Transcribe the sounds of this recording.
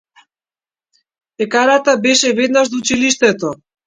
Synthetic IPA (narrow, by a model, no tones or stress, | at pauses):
ɛkaɾat̪abɛʃɛvɛd̪naʒd̪ut͡ʃiliʃt̪ɛt̪ɔ